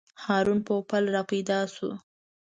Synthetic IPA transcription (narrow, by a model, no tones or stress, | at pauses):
hɑɾunpopalɾɑped̪ɑsṵ